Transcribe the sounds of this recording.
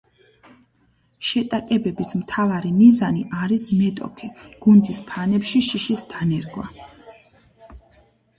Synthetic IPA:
ʃɛt̪ʼakʼɛbɛbismt̪ʰavaɾimizaniʔaɾismɛt̪ʼɔ̰kʰiɡ̥und̪ispʰanɛpʃiʃiʃisd̪̥ʰanɛɾɡwa

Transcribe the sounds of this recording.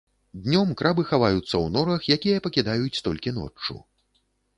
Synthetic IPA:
d̪ʲnʲɔmkɾabɨxavajut̪sːɐwnɔɾɐxjakʲijɐpɐkʲid̪ajut͡sʲt̪ɔlʲkʲinɔ̰t͡ʂːṵ

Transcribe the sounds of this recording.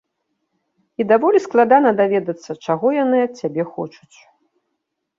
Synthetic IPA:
id̪avɔlʲisklˠad̪anɐd̪avʲɛd̪ɐt̪sːɐt͡ʂaɣɔjanɨɐt̪̚t͡sʲːabʲɛxɔ̰t͡ʂut͡sʲ

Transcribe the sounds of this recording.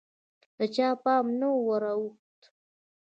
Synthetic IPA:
d̪̥ət͡ʃɑpɑmnawwəɾawuxt̪

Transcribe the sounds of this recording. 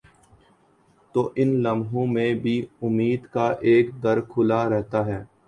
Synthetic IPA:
t̪oːʔɪnlɐmɦõmẽbʱiʊmːiːd̪kaʔeːkd̪ɐɾkʰʊlaɾɛɦt̪aɦɛː

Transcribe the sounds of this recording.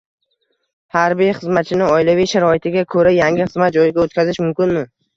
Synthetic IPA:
haɾbijχɨzmat̪t͡ʃʰɪnɪŋɒɪlavijʃaɾɒɪt̪ʰɪɡʲakʰɵɾajaŋʲɪχɨzmat̪̚d͡ʒɒjɪɡʲaot̪kʰʲazɪʃmʊmkʲɪnmɪ

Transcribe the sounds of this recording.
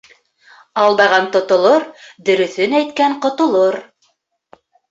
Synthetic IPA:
ɑlˠd̪ɑʁɑnt̪ŏt̪ŏlˠoɾd̪ɵ̆ɾɵ̆θɵnæjt̪̚kæɴqŏt̪ŏlˠoɾ

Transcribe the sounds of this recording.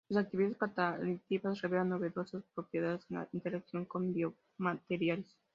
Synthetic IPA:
osak̚t̪iβiaskat̪aɾit̪iβasreβelanːoβeðosaspɾopjeðaðeseŋa̰int̪eɾeksjoŋkombio | mat̪eɾjals

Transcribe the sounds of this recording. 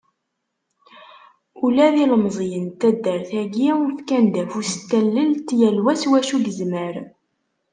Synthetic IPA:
ulæðiləmzˤjənt̪æd̪ːəɾθæɡiufkænd̪æfusə̥t̪ːælːəlt̪jælwæswæʃuɡəzməɾ

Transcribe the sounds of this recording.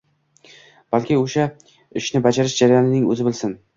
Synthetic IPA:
b̥alkʲʰɪoʃa | ɪʃnɪbad͡ʒaɾɪʃd͡ʒaɾajɒnɪnɪŋɵ̰zɪbɪlsɪn

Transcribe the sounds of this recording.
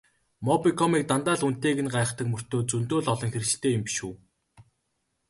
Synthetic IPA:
mɔpikʰɔmiːk̚t̪ant̪aːɮun̥t̪eːɣɘ̆nɢaːχt̪ə̆kmɵr̥t̪oːt͡sunt̪oːɮɔɮɞ̆ŋxeɾt͡ɕ̆ɬt̪eːjmpi̥ʃuː

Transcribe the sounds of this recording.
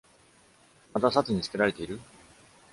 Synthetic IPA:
mat̪asat͡sɨɲ̟it͡sɨ̥ke̞ɾaɾe̞t̪e̞iɾɯ̟

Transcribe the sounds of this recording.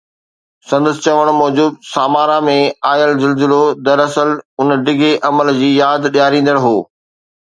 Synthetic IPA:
sɐ̃nd̪əsɪ̆t͡ɕɐʋəɽ̃mɔːd͡ʑuːb̚saːmaːɾamẽaːjəlzɪlzɪlod̪ɐɾɐsəlʊnɖɪɡʱeʔɐməld͡ʑiːjaːd̪ɗjaːɾĩːn̆d̪əɽɦoː

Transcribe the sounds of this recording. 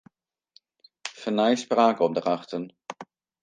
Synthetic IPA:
fənaɪspʁaːɡɔmdəʁaχtən

